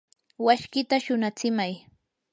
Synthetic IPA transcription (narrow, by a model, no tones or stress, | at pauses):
waʃkɪt̪aʃʊnat͡sɪmaj